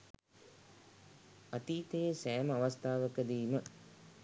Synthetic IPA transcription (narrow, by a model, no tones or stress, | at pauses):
at̪iːt̪ejesæːməaʋast̪ʰaːʋəkəd̪iːmə